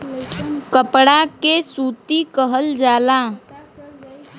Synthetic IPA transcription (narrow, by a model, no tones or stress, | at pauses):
kəpɽakesuːt̪ikəɦəld͡ʒaːlaː